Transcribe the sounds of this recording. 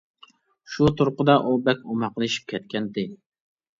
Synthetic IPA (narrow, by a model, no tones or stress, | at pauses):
ʃut̪ʰʊɾqʊd̪ɑʔubɛkʲomɑqəlˠɨʃi̥p̚kʲʰɛt̪̚kʲʰɛnd̪ɪ